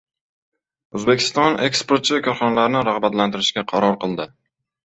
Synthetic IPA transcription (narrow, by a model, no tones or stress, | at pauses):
ɵzbe̞kʲʰɪ̥st̪ɒne̞kspoɾt̪̚t͡ʃʰɪvɪkʰʲɒɾχɒnalaɾnɪɾaʁbat̪lant̪ɪɾɪʃkʲaqʰɑɾɒɾqɨlˠd̪ɪ